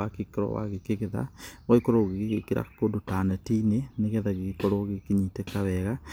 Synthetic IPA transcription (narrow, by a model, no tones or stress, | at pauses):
akikeɾɔ̰wa̰ɣekeɣeða̰ɣoikoɾoɣeɣeɣekiɾa̰kodotaːnɛtiːneneɣɛðaɣeɣikoɾoɣekiɲiːtekaβɛɣa